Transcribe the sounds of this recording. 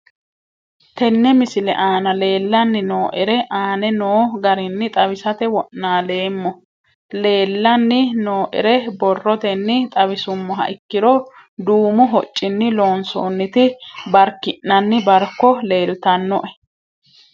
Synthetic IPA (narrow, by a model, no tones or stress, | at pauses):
t̪ɛnːɛmɪsɪlɛ̰ʔaːnɐle̞ːlːɐnːɪnoːʔɛɾɛʔaːnɛnoːɡɐɾɪnːɪt̪ʼɐβɪsɐt̪ɛwɔʔnaːle̞ːmːɔ | le̞ːlːɐnːɪnoːʔɪ̰ɾɛbɔrːɔt̪ɛnːɪt̪ʼɐβɪsʊmːɔɦɐ̰ʔɪkːɪɾɔ | d̪uːmʊɦɔt͡ʃʼːɪnːɪlo̞ːnso̰ːnːɪt̪ɪbɐɾkːɪʔnɐnːɪbɐɾkːɔle̞ːlʊt̪ɐnːɔʔɛ̥